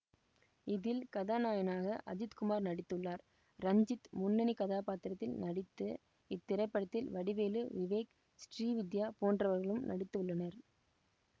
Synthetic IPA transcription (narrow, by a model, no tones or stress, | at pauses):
ɪðɪlkɐðaːnaːjɐnaːɣɐʔɐ̰d͡ʒɪt̪kʊmaːɾnɐɽɪt̪ːɯɭːaːɾ | ɾɐɲd͡ʒɪt̪mʊnːɐnikɐðaːpaːt̪ɪɾɐt̪ːɪlnɐɽɪt̪ːɯ | ɪt̪ːɪɾɐɪpːɐɽɐt̪ːɪlʋɐɽɪʋeːlɯʋɪʋeːk | sʈriːʋɪd̪jaːpoːndrɐʋɐɾɣɐɭɯmnɐ̰ɽɪt̪ːɯʋɯɭːɐnɐɾ